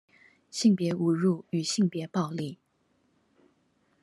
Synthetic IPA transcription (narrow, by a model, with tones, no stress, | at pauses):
ɕi˥˩ŋpjɛ˧˥u˨˩ɻu˥˩y˨˩ɕi˥˩ŋpjɛ˧˥pɑ˥˧ʊli˥˩